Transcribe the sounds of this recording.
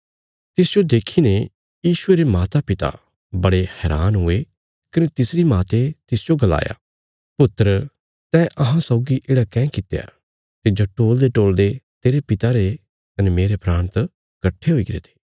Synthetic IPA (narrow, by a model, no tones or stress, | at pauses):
t̪ɪsd͡ʒod̪eːkʰine | jiːʃʊeɾemaːt̪apɪt̪a̰ | bɐɽehɛːɾaːnɦʊe | kɐnet̪ɪsɾimaːt̪et̪ɪsd͡ʒoɡɐla̰ːja̰ː | pʊt̪ːəɾə | sɛʔɐɦãsɔʊɡiʔeːɽakɛ̃ːkɪt̪eja̰ | t̪ed͡ʒoʈoːld̪eʈoːld̪et̪eːɾepɪt̪aɾe | kɐnemeːɾepɾaːñt̪ | kɐʈʰːeɦʊiɡɾḛt̪ʰe̥ː